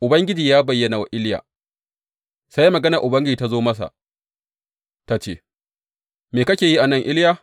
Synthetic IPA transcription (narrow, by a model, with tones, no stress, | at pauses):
ʔʊ˨bɐ˦ŋɡʲɪ˦d͡ʒiː˨jaː˦bɐ˨jːɐ˦na˨wa˦ʔɪ˦lja̰ː˨ | sa˦jmɐ˨ɡɐ˦nɐ˨ʔʊ˨bɐ˦ŋɡʲɪ˦d͡ʒiː˨ta˦zoː˦mɐ˦s̬a̰˨ | ta˦t͡ʃḛː˦ | meː˨kɐ˦kʲeː˨ji˦ʔa˨nɐ˦˨ŋʔɪ˦ljaː˦